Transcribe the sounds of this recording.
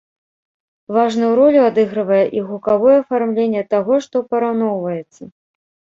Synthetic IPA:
vaʐnɐwɾɔlʲuad̪ɨɣɾɨvɐjɛʔiɣukavɔjɛɐfarmlʲenʲːɛt̪aɣɔʂt̪ɔpɐɾawn̪ɔwvɐjɛt̪sːɐ

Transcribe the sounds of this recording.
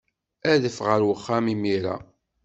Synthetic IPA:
æðəfʁəɾwəχːæmimiɾæ̰

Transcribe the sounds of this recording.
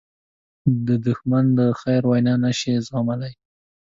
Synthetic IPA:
d̪əd̪ʊxmand̪əxajɾwajnɑnaʃezɑmalaj

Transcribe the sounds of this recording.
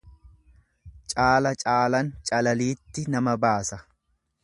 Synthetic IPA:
t͡ʃʼaːlɐt͡ʃʼaːlɐnt͡ʃʼɐlɐliːt̪ːɪnɐmɐbaːsɐ

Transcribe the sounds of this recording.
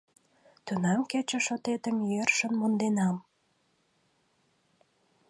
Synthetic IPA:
t̪ønɑmket͡ɕə̆ʃot̪et̪əmjerʃə̆nmond̪enɑm

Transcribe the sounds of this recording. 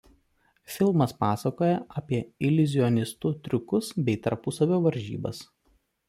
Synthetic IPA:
fʲɪlˠmɐspɑːsɐkoːjɛʔɐpʲiɛɪlʲʊzʲɪɔnʲɪst̪ʊt̪ʲɾʲʊkʊsbʲɛɪt̪ɐɾpʊsɐʋʲoːʋɐɾʲʒʲḭːbɐ̰s

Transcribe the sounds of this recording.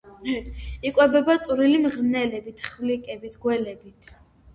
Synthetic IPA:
ikʼwɛbɛbat̪sʼuɾilimʁnɛlɛbit̪ʰχvlikʼɛbit̪ʰɡwɛlɛbit̪ʰ

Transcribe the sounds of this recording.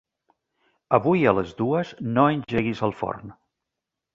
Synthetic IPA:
əβujələzðuəznoənʲʒʒeɣizəlˠfɔ̰rn

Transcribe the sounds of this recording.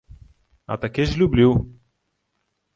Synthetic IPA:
a̰t̪ɐkeʒlubliw

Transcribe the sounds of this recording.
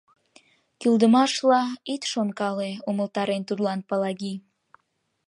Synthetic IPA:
kyld̪əmɑʃlɑit̪ʃonkɑleuməlt̪ɑɾent̪ud̪lɑnpəlɑɣi

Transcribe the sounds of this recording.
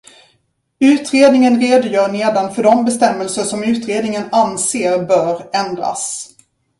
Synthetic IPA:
ʉ̟ːt̪ɾeːd̪nɪŋənɾeːd̪ʊjœːɳeːd̪anfœɖɔmbɛst̪ɛmːəlsəʂɔmʉ̟ːt̪ɾeːd̪nɪŋənanseːɾbœːɾɛnd̪ɾa̰s

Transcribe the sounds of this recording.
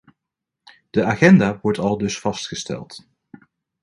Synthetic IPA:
d̥əaːχɛndaːʋɔɹtɑlˠdɵsfɑstχəstɛ̰lˠt

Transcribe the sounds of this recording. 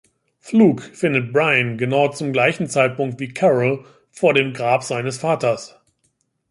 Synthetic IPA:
fluːkfɪndət̚b̥ʁaɪənɡənaʊt͡sʊmɡlaɪçn̩t͡saɪt̚pʊŋk̚tv̥iːkʰɛʁəl | foːɐɾeːmɡʁaːpz̥aɪnəsfaːtɐs

